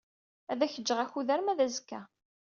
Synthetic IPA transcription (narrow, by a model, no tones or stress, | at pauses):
æðæçəd͡ʒːəʁæçuðæɾmæðæzəkːæ